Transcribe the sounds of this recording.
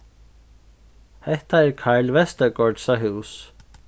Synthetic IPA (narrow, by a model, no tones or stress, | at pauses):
hɛht̪aɛɾkʰajlvɛst̪ɛɾkɔɹt̪saɦuws